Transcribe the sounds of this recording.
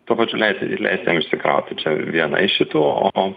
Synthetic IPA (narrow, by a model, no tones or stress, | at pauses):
t̪uɔpɐt͡ʃʲʊlʲɛɪsʲlʲɛ̰ɪsʲt̪ʲjɛmɪʃʲsʲɪkɾɐ̰ʊt̪ʲɪt͡ʃʲɛʋʲiɛnɐ̰ɪʃʲɪt̪uːo̰